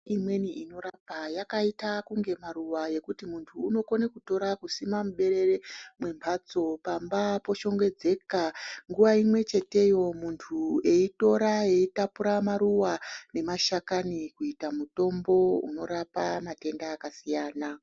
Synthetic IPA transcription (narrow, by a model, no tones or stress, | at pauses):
imwe̞niino̞ɾapajakaitakuŋɡe̞maɾuʋaje̞kutimuntʰuːno̞ko̞nekuto̞ɾakusimamuɓe̞ɾe̞remwe̞mpʰaːt͡so̞pambapo̞ʃo̞ŋɡwe̞d͡ze̞kaŋɡuʋaimwe̞t͡ʃe̞te̞jo̞muntʰue̞ito̞ɾae̞itapuɾamaɾuwane̞maʃakanikuitamuto̞mbo̞ṵno̞ɾapamate̞ndaːkasijaːna